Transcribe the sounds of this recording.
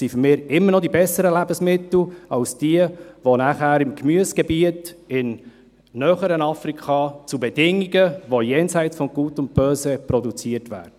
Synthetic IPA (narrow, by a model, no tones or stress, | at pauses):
sifʏɾmɪːɾɪmːənɔdibɛsːəɾəlæbəsmɪt̪l̩ɑʊsd̥iəʋonæχæːɾɪmkmyəsɡ̥ɛbiətɪnː | œχəɾənɑfrikʰχɑt͡subɛdɪŋːiɡəʋojɛːnsɛɪtt͡sfɔmɡ̥uːtʊnt̚b̥øːsəpɾɔdut͡siətʋæ̰ːdə